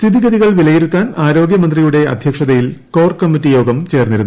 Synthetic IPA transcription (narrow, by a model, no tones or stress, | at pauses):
st̪ʰiðiɡɐðiɣɐɭʋilɐjeɾut̪ːaːnaːɾo̞ːɡjɐmɐnd̪rijuɽe̞ɐ̰d̪ʱjɐkʂɐðɐjilko̞ːrkɐmːitːijo̞ːɡɐmt͡ɕe̞ːrniɾunː